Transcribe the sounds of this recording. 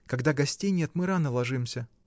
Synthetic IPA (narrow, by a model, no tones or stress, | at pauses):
kɐɡd̪aɡɐsʲtʲejnʲet̪mɨɾanəlˠɐʐɨmsʲə